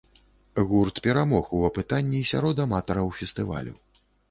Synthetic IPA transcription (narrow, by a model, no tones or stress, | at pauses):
ɣurt̪pʲɛɾamɔxuɐpɨt̪anʲːisʲa̰ɾɔd̪ɐmat̪ɐɾɐwfʲɛst̪ɨva̰lʲṵ